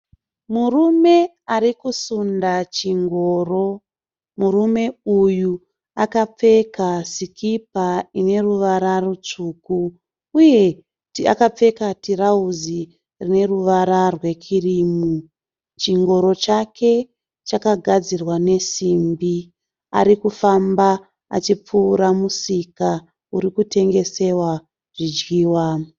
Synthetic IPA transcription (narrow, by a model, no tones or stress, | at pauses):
murume̞ | aɾikusundat͡ʃiŋɡo̞ːro̞ | murume̞uju | akap͡fe̞kasikʰip̚aine̞ruʋaɾarut͡ʂukuː | je̞ | tia̰kap͡fe̞katirauzi | rine̞ruʋaɾarwe̞kʰirimu | t͡ʃiŋɡo̞ɾo̞t͡ʃakʰe̞ | t͡ʃakaɡʱad͡zirwane̞simbi | a̰ɾikufamba | a̰t͡ʃip͡fuːɾamusika | uɾikutʰe̞ŋɡe̞se̞wa | ʐ̥id͡ʒɡiːwa